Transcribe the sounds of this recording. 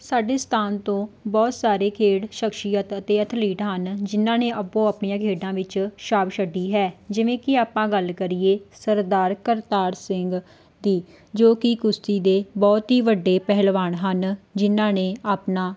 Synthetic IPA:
saːɖeːst̪ʰaːnt̪õːbɔːt̪saːɾeːkʰeːɽʃəkʃijət̪ət̪eːət̪ʰliːʈɦənd͡ʒɪnːãːneːʔəpːõːaːpɳijãːkʰeːɖãːʋɪt͡ʃʃaːbʃəɖːiːɦɛːd͡ʒɪʋẽːkɪaːpãːɡəlkəɾieːsəɾd̪aːɾkəɾt̪aːɾsɪŋɡ | d̪iː | d͡ʒoːkɪkʊst̪iːd̪eːbɔːt̪ɦiːʋəɖːeːpɛɦlʋaːɳɦənd͡ʒɪnãːneːaːpnãː

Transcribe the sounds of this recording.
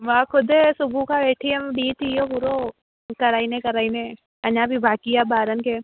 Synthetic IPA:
ʋãːkʰʊd̪esʊbʱukaʋeːʈʰiɐmɖiːt̪ijobuɾo | kɐɾaːinekɐɾaːine | ɐɲãːbʱibʱaːkijabaːɾənkeː

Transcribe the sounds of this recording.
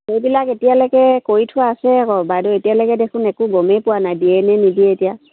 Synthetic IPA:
xejbilaketijalɔkɛkoɹitʰʊaːsɛkɔbadɔetijalɔkɛdekʰʊnɛkʊɡɔmɛpʊwanajdiɛnɛnidiɛetija

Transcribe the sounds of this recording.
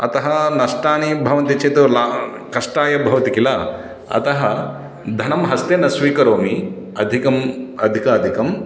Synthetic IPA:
ɐt̪ɐɦɐnɐʂʈaːnibʱɐʋɐnt̪it͡ʃʰeːt̪ula | kɐʂʈaːjɐbʱɐʋɐt̪ikilaː | ɐ̰t̪ɐɦɐ | d̪ʱɐnɐmɦɐst̪eːnɐsʋiːkɐɾoːmi | ɐd̪ʱikɐmɐd̪ʱikaːd̪ʱikɐm

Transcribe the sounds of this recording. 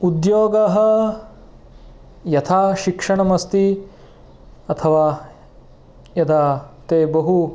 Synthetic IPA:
ud̪joːɡɐɦɐ̆ | jɐt̪ʰaːʃikʂɐɳɐmɐst̪i | ɐt̪ʰɐʋaː | jɐd̪ʱat̪eːbɐɦu

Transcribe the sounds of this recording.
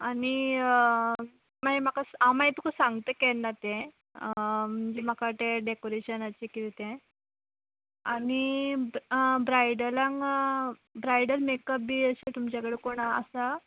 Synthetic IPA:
ani | maɦem̤akasamait̪ukəsaŋɡt̪əkɛnːat̪ẽ | m̤əɳd͡zem̤əkat̪eɖekoɾeɕənat͡ɕikit̪it̪ẽ | ani | bɾajɽəlãŋ | bɾajɖəlmekəp̚biːəset̪umt͡ɕakəɽekoɳ̃aə̰sa

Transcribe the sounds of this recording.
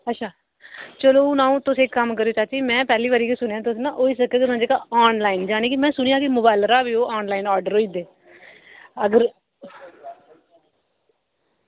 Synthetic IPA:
ətːʃʰaː | t͡ʃəlõːnãːũːt̪ʊsẽːkːəmkəɾeoːt͡ʃaːt͡ʃiːmɛ̃ːpɛːliːʋaːɾiːkisʊnejãːt̪ʊsnãːʔoːiːsəkːeːkɪãːd͡ʒeːkaɔːnlaːind͡ʒaːɽ̃iːkimɛ̃ːsʊɽ̃ijãːkɪmʊbaːlɾaːʋiːoːʔaːnlaːɪnɔːɖəɾoːiːd̪eː | əɡəɾ

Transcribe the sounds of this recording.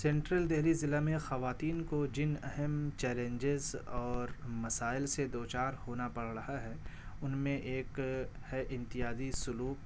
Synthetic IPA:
sɛ̃ːɳʈɾəld̪eɦlizɪlːamẽxɐʋaːt̪iːnkod͡ʒɪnɛ̰ɦɛmt͡ʃɛːlẽɲd͡ʒɪzɔːɾmɐsaːɪlsed̪oːt͡ʃaːɾhoːnapɐɽɾɐɦaɦɛʊnmẽʔeːkhɛʔɪ̃mt̪ɪjaːzisʊluːk

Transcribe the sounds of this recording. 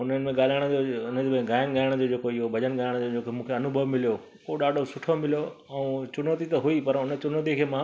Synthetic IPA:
ʊn̤ənɪ̆mẽɠaːl̤aːɪɽ̃əd͡ʑoʊnəd͡ʑob̃ɡaːɪnɠaːɪɽ̃d͡ʑoːd͡ʑeːkoɪɦobʱɐd͡ʑənɠaːɪɽ̃d͡ʑod͡ʑokomũːkʰeɐnʊbʱəʋmɪlijo | oɗaːɖʱosʊʈʰomɪlijo | ɛũt͡ɕʊnoːt̪it̪ɐɦuipɐɾʊnət͡ɕʊnoːt̪̬ikʰeːmã

